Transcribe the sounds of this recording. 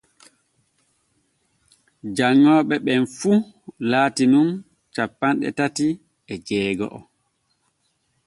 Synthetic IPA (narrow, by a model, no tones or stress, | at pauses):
d͡ʒaŋːɔːɓɛɓɛnfu | laːtinun | t͡ʃapːanɗɛ̰tati | ɛd͡ʒɛːɡɔ̰ʔɔ̰